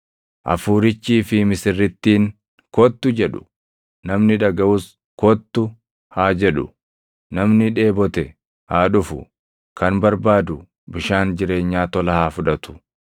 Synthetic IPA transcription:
ʔɐ̰fuːɾɪt͡ʃːiːfɪmɪsɪrːɪt̪ːiːŋ | kɔt̪ːʊd͡ʒɛᶑʊ̥̰ | nɐmnɪᶑɐɡɐʔʊs | kɔt̪ːʊ | haːd͡ʒɛᶑʊ̰ | nɐmnɪᶑe̞ːbɔt̪ɛ | haːᶑʊfʊ̰ | kɐnbɐɾbaːd̪ʊ | bɪʃaːnd͡ʒɪɾe̞ːɲːaːt̪ɔlɐhaːfʊᶑɐt̪ʊ̥

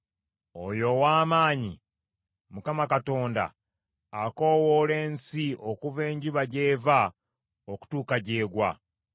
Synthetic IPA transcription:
ojo̞waːmaːɲi | mukamakato̞ːnda̰ː | ko̞wole̞ːnsiokuve̞ːɲɟuβaɟe̞ːva | oku̥tuːkaɟe̞ːɡwa̰

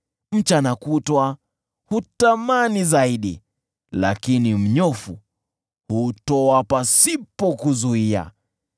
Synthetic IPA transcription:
m̩t͡ʃanakutwa | hutamanizaiɗḭ | la̰kinim̩ɲɔfu | hutɔapasipɔkuzuia̰

